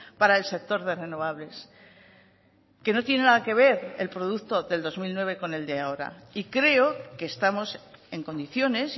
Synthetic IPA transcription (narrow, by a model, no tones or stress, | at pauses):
paɾaelse̞k̚t̪o̞ɾðe̞re̞no̞β̞aβle̞s | ke̞no̞t̪je̞nenaðake̞β̞e̞ɾelpɾo̞ð̞ukt̪o̞ðe̞ld̪o̞zmilnwe̞β̞e̞ko̞ne̞ld̪eao̞ɾa̰ikɾe̞o̞ke̞ːst̪amo̞se̞ŋko̞nd̪iθjo̞ne̞s